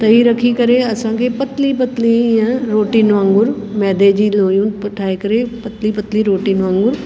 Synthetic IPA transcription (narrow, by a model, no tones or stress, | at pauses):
t̪ɐiɾɐkʰikɐɾeɐsãkʰepɐt̪lipɐt̪liãɾoːʈiːnʋãŋɡʊɾmɛːd̪ed͡ʑiːloːjũːnpɐʈʰaːekɐɾepɐt̪lipɐt̪liɾoːʈinʋãːŋɡʊɾ